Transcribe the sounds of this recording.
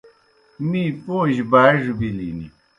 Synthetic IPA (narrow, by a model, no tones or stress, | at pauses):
miːpõːʑbaːʐubilḭnḭ